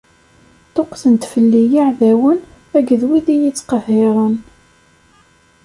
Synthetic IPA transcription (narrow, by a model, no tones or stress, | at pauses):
t̪ˤoqθənt̪fəlːijaʕðæwən | æɡðwiðijit͡sːqəheɾˤən